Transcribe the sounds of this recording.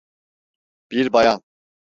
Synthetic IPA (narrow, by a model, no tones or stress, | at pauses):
b̥iɾbajan